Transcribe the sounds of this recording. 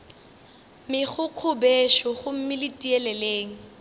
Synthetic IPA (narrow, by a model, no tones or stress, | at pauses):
mɪχʊq͡χʰʊbeʃɔχʊm̩mɪlɪtʼiɛlɛleːŋ̩